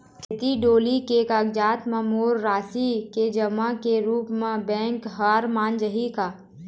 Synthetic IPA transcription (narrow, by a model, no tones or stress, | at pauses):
t̪ʰɪt̪iɖoːlikekɐɡd͡ʒaːt̪mɐmoːɾːaːsiked͡ʒəmakeɾuːpmẽbɛ̃ːŋkɦaɾmaːnd͡ʒəɦikaː